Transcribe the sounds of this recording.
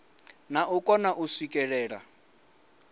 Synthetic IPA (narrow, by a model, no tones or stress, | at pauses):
naukʼɔnaʔuswikʼɛɺɛːɺa̰